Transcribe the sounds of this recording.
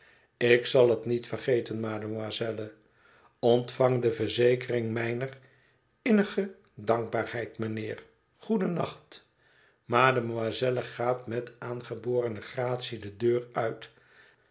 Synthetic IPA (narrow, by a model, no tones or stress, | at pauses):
ɪksɑlˠɦətnitfərχejtənmaːdəmazɛlə | ɔntfɑŋdəvəɹzejkərɪŋmɛjnər | ɪnəχə | dɑŋɡ̚baːɹhɛjtmənɪːr | χudənɑ̰χt | maːdəmazɛləχaːtmɛtaːnχəboːrənəχraːtsidədøːrœɥt